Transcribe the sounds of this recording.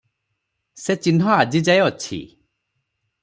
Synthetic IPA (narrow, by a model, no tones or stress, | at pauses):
set͡ʃinɦɔad͡ʒid͡ʒajɔɔt͡ʃʰḭ